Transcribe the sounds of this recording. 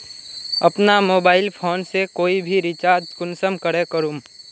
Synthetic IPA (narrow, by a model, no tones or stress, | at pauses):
ɐpnamoːbaːɪlpʰoːnsekoːibʱiɾɪt͡ʃaːɾd͡ʒskʊnsəmkəɽekəɾuːm